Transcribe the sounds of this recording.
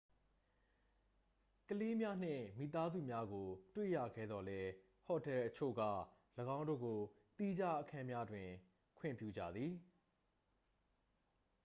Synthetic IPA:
kəle˦mja˦n̥ɪ̰̃˦˨mḭ˦˨t̪a˦zṵ˦˨mja˦ɡo˨twḛ˦˨jä̰˦˨ɡɛ̰˦˨d̪ðɔ˨lɛ˦ | hɔ˨tɛ˦lʔət͡ɕʰo̰˦˨ɡa̰˦˨ | ləɡã˦ʊ̃ndo̰˦˨ɡo˨ | t̪i˦d͡ʑa˦ʔəkʰã˦mja˦dwɪ̃˨ | kʰwɪ̰̃˦˨mpjṵ˦˨d͡ʑä̰˦˨d̪ði˨

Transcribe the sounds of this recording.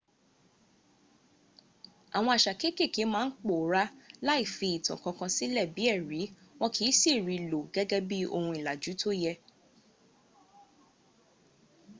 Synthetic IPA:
a˨w̃ɔ̃˧a˨ʃa˨ke˦ke˦˨ki˨˦mãː˦n̩˦k͡po˨˦ɾa˦la˦i˦˨fi˧i˨tɔ̰̃˨kɔ̃˧kã˧si˦lɛ˦˨bi˨˦ɛ˦˨ɾi˨˦w̃ɔ̃˦kʰi˨˦si˦˨ɾi˨˧lo˨ɡɛ˦ɡɛ˦bi˦o̰˧hũ˧i˨la˨d͡ʒu˨˦tʰo˦jɛ˧

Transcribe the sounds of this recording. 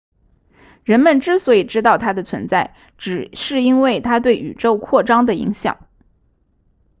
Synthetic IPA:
ɻə˧˥nmə˨nʈ͡ʂɻ̩˥swɔ˧˥i˨˩ʈ͡ʂɻ̩˥t̪ɑ˥˩ʊt̪ʰa˥d̪ə˨t͡sʰwə̰˧˥nt͡sa˥˩ɪ | ʈ͡ʂɻ̩˨˩ʂɻ̩˥˩i˥nwe˥˩ɪt̪ʰa˥t̪̬we˥˩ɪʔy̰˨˩ʈ͡ʂo˥˧ʊkʰwɔ˥˩ʈ͡ʂɑ˥ŋd̪ə˨ḭ˧˥ŋɕjɑ̰˨˩˦ŋ

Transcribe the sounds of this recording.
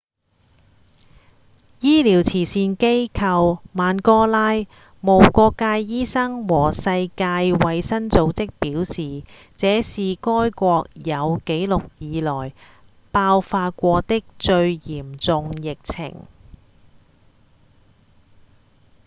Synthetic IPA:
jiː˥liː˨˩wt͡sʰiː˨˩siː˧nke˥jkʰɐ˧wmaː˨˧nkɔː˥laː˥j | mo˨˩wkʷɔː˧kːaː˧jːiː˥sɐ˥ŋwɔː˨˩sɐ˧jkaː˧jwɐ˨˧jsɐ˥nt͡so˨˧wt͡sɪ˥k̚piː˨˥wsiː˨ | t͡sɛː˨˥siː˨kɔː˥jkʷɔː˧k̚jɐ˨˧wke˨˥jlʊ˨k̚jiː˨˧lɔː˨˩j | paː˧wfaː˧t̚kʷɔː˧t̪ɪ˥k̚t͡ʃɵ˧ɥjiː˨˩mt͡sʊ˨ŋjɪ˨k̚t͡sʰɪ̰˨˩ŋ

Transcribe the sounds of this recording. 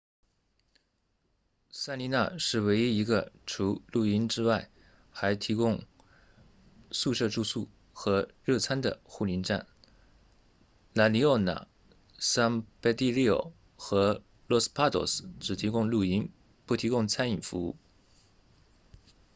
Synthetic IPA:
sa˥nli˧˥na̰˥˧ʂɻ̩˥˩we˧˥ɪi˥i˧˥ɡə̰˧ʈ͡ʂʰu˧˥lu˥˩i˥nʈ͡ʂɻ̩˥wa˥˩ɪ | xa˧˥ɪt̪ʰi˧˥kʊ˥ŋ | su˥˧ʂɤ˥˧ʈ͡ʂu˥˧su˥˩ | xɤ˧˥ɻɤ˥˩t͡sʰa˥nd̪ə̰˨xu˥˩li˧˥nʈ͡ʂa̰˥˩n | la˧˥li˧˥ɔ˥˩na̰˨˩ | sa˥npe˥t̪i˥˧li˥˩o̰˨˩ | xɤ˧˥ | lɔ˥˧spʰa˥t̪ɔ̰˥˩sʈ͡ʂɻ̩˨˩t̪ʰi˧˥kʊ˥ŋlu˥˩i˥n | pu˥˩t̪ʰi˧˥kʊ˥ŋt͡sʰa˥ni˨˩ŋfu˧˥u˥˩

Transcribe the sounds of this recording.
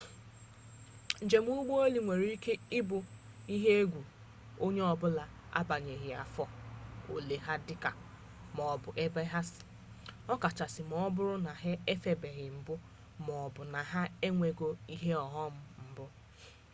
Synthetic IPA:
n̩˨d͡ʒe˨m˦u˦ɡ͡bo˦o˦li˨ŋʷe˨ɾi˦ke˦ɪ˦bʊ˨ | i˦ɦe˦e˦ɡʷu˨ | o˦ɲe˦ɔ˨bʊ˦la˨ | a̰˦ba˨ɲe˨ɦɪ˨a˨fɔ˦o̰˨le˨ɦa˦dɪ˦ka˨ | mɔ˨bʊ˨ʔe˦ba˦ɦa˦sɪ̥˨ | ɔ˦ka˨t͡ʃa˨sɪ˨m˨ɔ˦bʊ˦ɾʊ˦na˨ɦɪ˦e˦fe˨be˨ɣɪ˨m̩˨bʊ˦ | mɔ˨bʊ˨na˨ɦa˦e˦ŋʷe˨ɡo˦i˦ɦe˦ɔ˨ɦɔ˦m̩˦m̩˨bʊ˦

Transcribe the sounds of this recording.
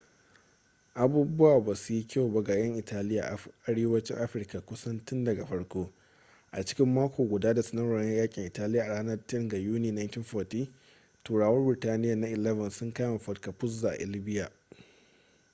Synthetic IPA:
ʔa˨buː˦bʊ˦waː˨ba˨su˨ji˦kʲa˦wba˦ɡa˨jɐ˦ŋʔɪ˨taː˦lɪ˦ja̰˨ʔa˦ɽeː˦wɐ˦t͡ʃɪ˦ŋʔa˦ɸɪ˨rka˨kʷʊ˦sɐ˦nt͡ʃɪ˦ndɐ˨ɡa˨ɸɐ˦ɽkʷoː˦ | ʔa̰˨t͡ʃɪ̥˦kʲɪ˦mːaː˦kʷoː˨ɡʷʊ˨daː˦da˨sɐ˨nɐ˦ɽa˨˦ɐ˦jaː˦kʲʼɪ˨ŋʔɪ˨taː˦lɪ˦jaː˨ʔa˨ɽaː˦nɐ˦rtɪ˦ŋɡa˨juː˦niː˦na˦ntɪ˦nfɔː˨tiː˦ | toː˨ɽaː˨wɐ˦rbɾɪ˨taː˦nɪ˦ja˨na˦ʔɪ˨lɛ˦vɐ˨nsʊ˦ŋkaː˦ma˨ɸɐ˦tka˨ɸʊ˦zːa˨ʔʔɪ̰˨lɪ˦bɪ˦ja˨

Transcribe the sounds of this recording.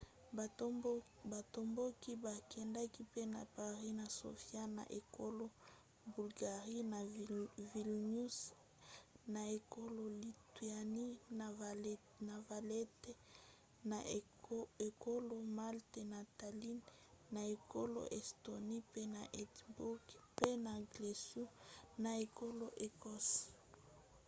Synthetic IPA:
ba˨to˨mbo˦ki˦ba˨kʰɛ˨nda˦ki˦pe˦na˨pa˨ʁi˦na˨so̰˨fja˦na̰˨ʔe˨ko˦lo˦ | bu˨lɡa˨ʁi˦na˨vi˨lnu˦s | na˨e˨ko˦lo˦li˨ti˨a˨ni˦n˨ | na˨va˨le˦te˦ | na | e˨ko˦lo˨ma˦lt̪e˨na˨t̪a˨li˦n | na˨e˨ko˦lo̰˨ʔe˨sto˨ni˦pe˦na˨ʔɛ˨tbu˦kpe˦na˨ɡle˨su˦na˨e˨ko˦lo˦ʔe˨kɔ˦s

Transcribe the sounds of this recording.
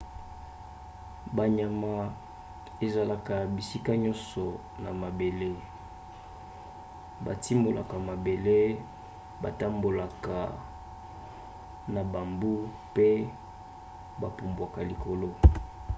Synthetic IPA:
ba˨ɲa˨ma˦ | e˨za˨la˨ka˨bi˨si˦ka˦ɲɔ˦nsɔ˨ | na˨ma˨be˨le˦ | ba̰˨ti˦mbo˨la̰˨ka˨ma˨be˨le˦ | ba˨ta˦mbo˨la˨ka˨ | na˨ba˨mbu˦ | pe˦ | ba˨pu˨mbwa˨ka˨li˨ko˨lo˦

